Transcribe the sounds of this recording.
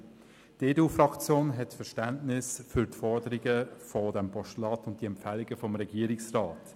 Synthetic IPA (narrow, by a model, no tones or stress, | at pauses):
d̥eːduːfrɑkt͡sjoːnɦɛtfɛɾʃtæntnɪsfʏɾtfɔɾdəɾiɡəfɔdɛmpʰɔʃtlɑːtʊnt̚d̥iɛmfælɪɡəfɔmɾɛɡiːəɾɪksrɑːt